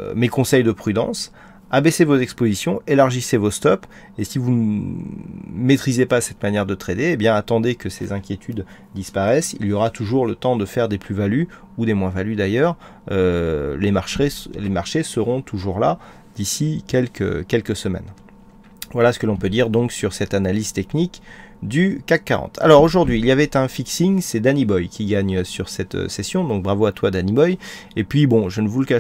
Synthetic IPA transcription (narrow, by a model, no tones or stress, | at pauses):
mekɔ̃sɛjd̪əpχyd̪ɑ̰̃s | abesevozɛkspozisjɔ̃elaʁʒisevost̪ɔp | esivun | met̪χizepasɛt̪manjɛʁd̪ət̪χet̪eːbjɛ̃at̪ɑ̃d̪ekəsḛzɛ̃kʲjet̪ʰyd̪ | d̪ispaʁɛsḭljɔʁat̪uʒuʁlət̪ɑ̃d̪əfɛʁd̪eplyvaly | ud̪emwɛ̃valyd̪ajœʁ | ølemaʁʃelemaʁʃesəʁɔ̃t̪ʰuʒuʁla | d̪̥isikʲɛlkə̰kʲɛlkəsəmɛ̰n | vwalasə̥kəlɔ̃pød̪iʁd̪ɔ̃ksyʁsɛt̪analiz̥t̪ɛknikd̪ykakːaʁɑ̰̃t̪ʰa̰lɔʁoʒuʁd̪ɥiːljavɛt̪ɛ̃fiksiŋsɛd̪anibɔjkʲiɡaɲsyʁsɛt̪ø̰sesjɔ̃d̪ɔ̃k̚bʁavoat̪wad̪anibɔj | epɥibɔ̃ʒənəvuləka